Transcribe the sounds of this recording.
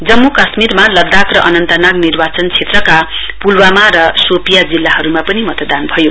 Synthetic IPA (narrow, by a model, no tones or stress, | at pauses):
d͡zʌmːukʌsmirmalʌd̪ːakrʌʔʌnʌnt̪ʌnaɡnirbat͡sʌnt͡sʰet̪rʌka | pulwamaɾʌsopijad͡zilːaɦʌɾumapʌnimʌt̪ʌd̪anbʱʌjo